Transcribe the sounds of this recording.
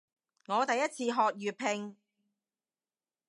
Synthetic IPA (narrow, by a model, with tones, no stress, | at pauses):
ŋɔː˨˧t̪ɐ˨jɐ˥t̚t͡sʰiː˧ɦɔː˨k̚jyː˨pʰɪ˧ŋ